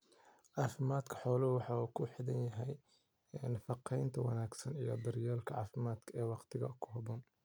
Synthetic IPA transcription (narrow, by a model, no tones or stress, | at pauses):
ʕɑːfɪmaːd̪kʰɐ̥ħɔːlɐwɑħɑːuːkʰʊħɪðɐnjɐɦɛj | ɛnfɑqɛjnt̪ʰɐwɑ̰naːɡsɐnijɔb̪ɐɾjaːlkʰɐʕɑ̰ːfɪmaːd̪kʰɐɛːwɑqt̪ʰɪɣɐ̰kʰʊ̥ɦɐbɔːn